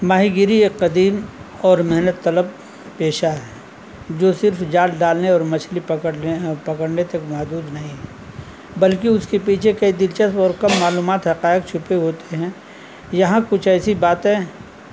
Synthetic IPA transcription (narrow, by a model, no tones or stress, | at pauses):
maːɦiɡɪɾieqɐd̪iːmɔːɾmɛɦnət̪ːɐləb̚ | peːʃaɦɛː | d͡ʒoːsɪɾfd͡ʒaːlɖaːlneɔːɾmɐt͡ʃʰlipɐəpɐkəɽnet̪ɐkmaːd̪uːd̪nɐɦĩɦɛ | bɐlkiʊskepiːt͡ʃʰekɐid̪ɪlt͡ʃəspɔːɾkɐmːaːluːmaːt̪ɦɐqaːɪk̚t͡ʃʰʊpeɦoːt̪eɦɛ̃ | jɐɦãkʊt͡ʃʰɛːsibaːt̪ɦɛ̃ː